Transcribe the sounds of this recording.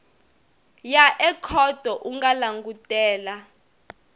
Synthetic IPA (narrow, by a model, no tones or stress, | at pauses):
jaʔɛkʰɔd̥ʱɔʔuŋɡalaŋɡutʼɛːla